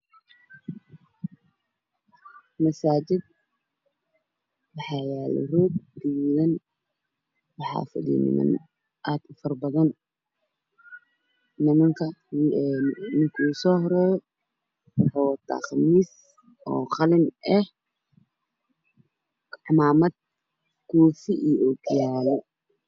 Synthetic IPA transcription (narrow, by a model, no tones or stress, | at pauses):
mɐsaːt͡ʃɪd̪̚ | wɑħɑːjaːl̰ruːd̪̚d̪iːlɐn | wɑħɑ̰ːfɐ̰dḭnɪ̰mɐ̰n | ʔad̪fɐrbɐðɐn | nɪmɐŋkʰɐ | nɪŋkʰːsɔːhɾɛj | wɑħɑwɑt̪ʰːa̰χɑmiːs | ʔɔːqɑlɪnɛh | ɑmaːmɐd̪̚ | kʰuːfɪʔijɔɡʰɪjaːlɔ